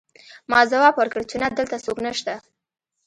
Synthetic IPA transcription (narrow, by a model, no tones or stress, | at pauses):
mɑzawɑbwəɾkəɽt͡ʃenad̪əlt̪asoknəʃt̪a